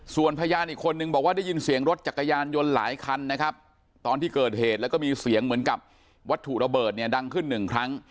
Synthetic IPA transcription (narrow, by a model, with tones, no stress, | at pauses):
su˨˩ənpʰa˧jaː˧nʔiː˨˩kʰːo˧nːɯ˨˩ŋbɔː˨˩k̚waː˥˩da˥˩ji˧nsi˨˩˦əŋɾo˦˥t̪̚t͡ɕa˨˩kːa˧jaː˧njo˧nla̰ː˩˦jkʰa˧nːa˦˥kʰa˦˥p̚ | t̪ɔː˧nt̪iː˥˩kɤː˨˩t̪̚heː˨˩t̪̚lɛ˦˥wkɔ˥˩miː˧si˨˩˦əŋmɯ˩˦nka˨˩p̚ | wa˦˥t̪ʰːu˨˩ɾa˧bɤː˨˩t̪̚ni˥˩əda˧ŋkʰɯ˥˩nːɯ˨˩ŋkʰɾa˦˥ŋ